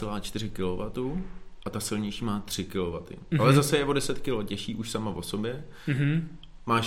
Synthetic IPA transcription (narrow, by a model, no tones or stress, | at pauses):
ɛlaːt͡ʃt̪ɪɾɪkɪlovat̪uʔat̪asɪlɲɛjʃiːmaːt̪r̥ɪkɪlo̞vat̪ɪ̰ʔalɛzasɛjɛvodɛsɛt̪kɪlocɛʃiːʔuʃsamavo̞̰so̞bjɛ | maː